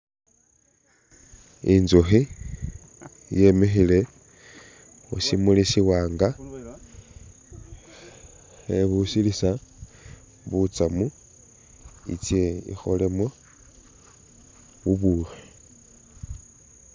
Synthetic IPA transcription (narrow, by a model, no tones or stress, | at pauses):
inzoxi | jemexile̞ | o̰simulisiwaːŋɡa | xeβusilisa | βut͡samu | ḭt͡sjeḭxolemwo | βuβure